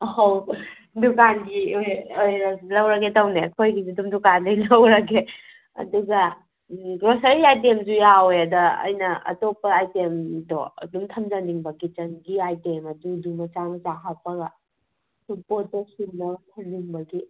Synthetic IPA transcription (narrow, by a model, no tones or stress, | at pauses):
ɦow | dukanɡiojojɾɐlɐwɾɐɡetɐwnekʰojɡizidumdukanːijlɐwɾɐɡe | ɐ̰duɡɐ | ɡɾosɐɾiajtemzujawojɐdɐ̰ːjnɐɐ̰topɐajtemdɔ̰dumtʰɐmd͡ʒɐndiŋbɐɡit͡ʃɐnɡiajtemɐdudumɐt͡ʃaŋt͡ʃaɦapɐɡɐ | supotːesinnɐtʰɐndiŋbɐɡi